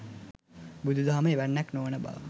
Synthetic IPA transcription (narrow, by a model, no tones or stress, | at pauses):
bud̪ʱud̪ʱaɦaməeʋænːɛknoʋənəba̰ʋə̰